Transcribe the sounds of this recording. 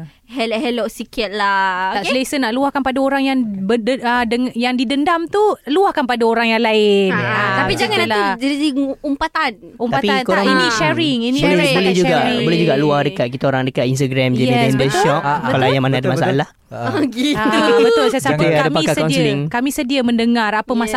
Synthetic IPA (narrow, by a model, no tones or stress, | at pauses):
hɛlʔhɛlɔʔsikɪt̪̚lataʔlesənaʔluahkanpadaoɾaŋjaŋbəədəŋjaŋdidəndamt̪uluahkanpadaoɾaŋjaŋlaɪnt̪apid͡ʒaŋannalad͡ʒaidiumpat̪an | ump̪patpinkoɾaŋiniʃɛɾɪŋinibolɛd͡ʒuɡaʔbolɛhd͡ʒuɡaluahdəkat̪̚kit̪aoɾaŋdəkat̪ins̬t̪aɡɾɛmd͡ʒajniɛndəʃɔpalajamanaadamasalah | ɡiabət̪ʊlsajsadaadampakasɔnsliŋkamĩsədiamə̃ndəŋarapəmasa